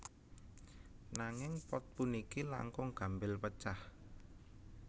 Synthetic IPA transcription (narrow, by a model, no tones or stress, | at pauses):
naŋɪŋpɔt̪̚punikila̰ŋkʊŋɡ̥a̤mbɪlpət͡ʃah